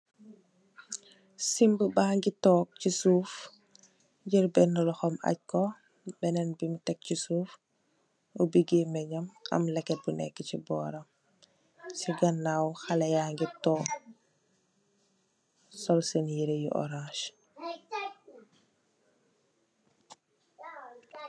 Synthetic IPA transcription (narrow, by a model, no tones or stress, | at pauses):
simbəbaːŋɡitɔːk̚cisuːf | ɟiɾbɛnːɐlɔxɔmɐ̰c̚kɔ | bɛnɛnbimtɛk̚cisuːf | ɔbiɡeːmɛɲɐmɐ̰mlɛkːɛt̚bunɛ̰kːəcibɔːɾɐm | siɡɐnːawxɐlɛjaŋɡitɔːk | sɔlsɛnjiɾejuʔɔ̰ɾãːʃ